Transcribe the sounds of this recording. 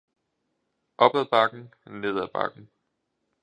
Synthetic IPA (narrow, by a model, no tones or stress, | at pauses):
ʔɒ̽b̥ðæb̥ɑ̈ɡ̥n̩ne̝ð̞̰ˠæb̥ɑ̈ɡ̥n̩